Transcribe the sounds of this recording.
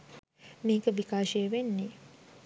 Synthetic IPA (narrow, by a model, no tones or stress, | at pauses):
meːkəʋikaːʃeeʋenːe